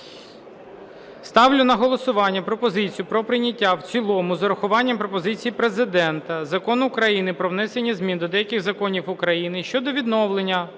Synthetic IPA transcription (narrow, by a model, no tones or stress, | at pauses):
st̪ɑwlʲʊnɐɦɔlˠɔsʊʋɑnʲːɐpɾɔpɔzɪt͡sʲijʊpɾɔpɾɪnʲɐtʲːawt͡sʲilˠɔmʊzɐɾɐxʊʋɑnʲːɐmpɾɔpɔzɪt͡sʲijipɾezɪd̪ɛnt̪ɐzɐkɔnʊkɾɐjinɪpɾɔʋnɛsenʲːɐzmʲind̪ɔd̪ɛjɐkɪɣzɐkɔnʲiwʊkɾɐjinɪʃt͡ʃɔd̪ɔʋʲid̪nɔwlˠenʲːɐ